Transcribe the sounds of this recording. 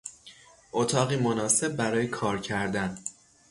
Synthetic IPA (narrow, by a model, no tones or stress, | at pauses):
ʔot̪ʰɒːɣiːmonɒːse̞b̚ːæɾɒːjekʰɒːɾcʰæɾd̪æn